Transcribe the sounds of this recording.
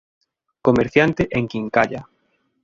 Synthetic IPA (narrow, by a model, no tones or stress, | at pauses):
komeɾθjant̪eʔeŋkiŋkaʎa